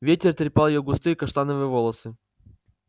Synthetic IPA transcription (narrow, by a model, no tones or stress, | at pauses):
vʲetʲɪrt̪ɾʲɪpalˠjoɡʊst̪ɨjkɐʂt̪anəvɨjəvolˠəsɨ